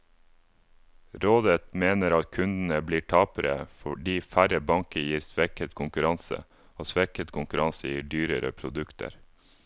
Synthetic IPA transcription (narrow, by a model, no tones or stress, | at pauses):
ɾoːd̪ət̪meːnəɾɑt̪kʰʉnd̪n̩əbliːʈʰɑːpəɾə̰fɔɖiːfæɾəbɑŋkəjiːɾsʋɛkət̪kʰʊŋkʉɾɑnsə̰ | oːsʋɛkət̪kʰʊŋkʉɾʔɑnsəjiːɖyːɾəɾə̰pʰɾʊd̪ʉkt̪ʰə̰ɾ